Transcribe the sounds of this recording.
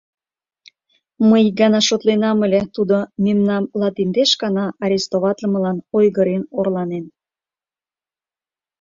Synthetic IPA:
məjɡɑnɑʃot̪lenɑmə̆lʲet̪ud̪omemnɑmlɑt̪ind̪eʃɡɑnɑɑɾʲest̪oβɑt̪lə̆mə̆lɑnojɣəɾenorlɑnen

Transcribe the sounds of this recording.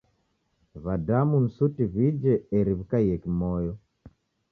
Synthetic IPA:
βadamun̩sutiβid͡ʒɛɛɾiβikaiɛkimɔjɔ

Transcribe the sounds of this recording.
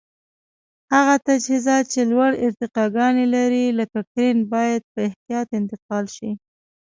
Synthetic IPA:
haɣat̪ad͡ʒhizɑt̪̚t͡ʃelwaɽɪɾt̪ɪqɑɡɑnelaɾiləkakɾenbɑjad̪̚pəɪht̪ijɑt̪ɪnt̪ɪqɑlʃi

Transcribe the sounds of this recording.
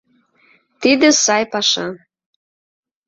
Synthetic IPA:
t̪id̪ə̆sɑjpɑʃɑ

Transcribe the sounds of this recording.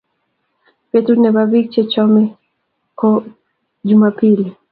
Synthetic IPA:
pɛtunɛbabik̚t͡ʃɛt͡ʃɔmi | kɔ | d͡ʒumapili

